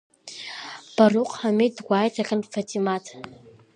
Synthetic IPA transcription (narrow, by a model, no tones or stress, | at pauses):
b̥aruqʼħamedɡʷaːjtʰaχʲənfatʰimatʰ